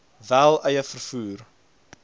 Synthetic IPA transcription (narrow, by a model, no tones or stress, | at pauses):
vælˠəjəfərfuːr